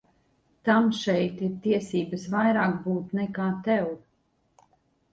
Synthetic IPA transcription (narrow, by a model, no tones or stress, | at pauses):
t̪amʃɛjt̪iɾt̪iɛsiːbəsvajɾaːkbuːt̪nɛkaːt̪ɛw